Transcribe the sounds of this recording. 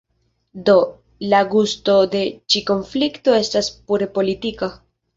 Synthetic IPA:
d̪o̞ | laɡusto̞d̪e̞t͡ʃiko̞nflikt̪o̞e̞staspuɾe̞po̞lit̪ika

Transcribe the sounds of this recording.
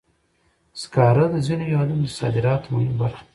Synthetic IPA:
skɑɾad̪əzinojalamd̪əsɑ̰d̪ɪɾɑːt̪majibaɾx

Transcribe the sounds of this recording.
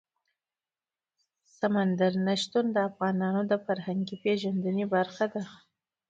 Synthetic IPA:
samand̪aɾnaʃt̪und̪əafɣɑnɑnod̪əfaɾhaŋɡipeʒand̪ənebaɾxad̪a

